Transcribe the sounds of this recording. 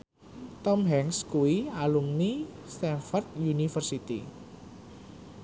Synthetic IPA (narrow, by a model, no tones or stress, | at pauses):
t̪ɔmɦɛŋskuwialumnist̪ɛnfɔrt̪̚junifərsit̪i